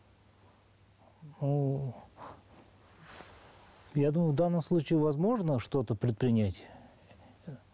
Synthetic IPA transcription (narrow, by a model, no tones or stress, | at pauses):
nu | jad̪uməjʊvd̪anːəmslˠut͡ɕɪɪvɐzmo̞ʐnəʂt̪ot̪əpɾʲɪt̪̚pɾʲɪnʲatʲ